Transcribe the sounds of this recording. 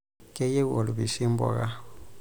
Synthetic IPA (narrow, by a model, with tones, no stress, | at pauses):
ke˦je˦wo˨lu˨βi˨si˦mbo̰˨ɣa˦